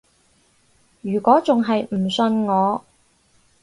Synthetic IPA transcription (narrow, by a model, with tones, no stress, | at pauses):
jyː˨˩kʷɔː˨˥t͡sʊ˨ŋɦɐ˨jm̩˨˩sɵ˧nŋɔː˨˧